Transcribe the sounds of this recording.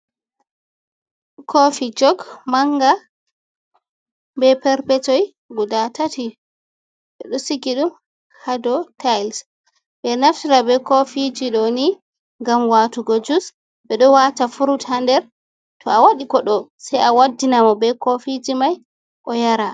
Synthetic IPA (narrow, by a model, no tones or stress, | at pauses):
kʰofid͡ʒɔɡmaŋɡa | bɛpɛɾpɛtɔj | ɡudatati | ɓɛɗɔsiɡiɗum | hadɔtajls | bɛnaftiɾabɛkofid͡ʒiɗɔni | ŋɡamwatuɡod͡ʒus | bɛɗɔwatafuɾutandɛɾ | tʰɔawaɗikɔɗɔsajawadːinamɔbɛkofid͡ʒimaj | ʔɔjaɾa